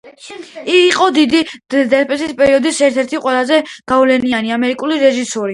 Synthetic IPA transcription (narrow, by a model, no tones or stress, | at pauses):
iːqʼɔd̪id̪id̪ɛspʼɛsispʼɛɾiɔd̪isɛɾt̪ʰɛɾt̪ʰiqʼwɛlˠazɛɡ̥avlɛnianiamɛɾikʼuliɾɛʒisɔɾi